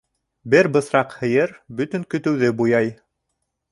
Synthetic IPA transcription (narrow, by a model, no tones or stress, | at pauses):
bɘɾbɤ̆θɾɑqhɤ̆jɤɾbɵ̆t̪ɵ̆ŋkɵ̆t̪ɵ̆wðɘbujɑj